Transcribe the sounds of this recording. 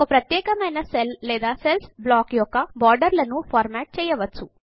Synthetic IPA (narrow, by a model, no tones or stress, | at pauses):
kɔpɾɐt̪jɛːkɐmɐjnɐsellɛːd̪aːselsblaːkjɔkːɐbaːɾɖɐɾlɐnupʰaːɾmaːʈ̚t͡ʃɛːjɐʋɐt͡ʃːu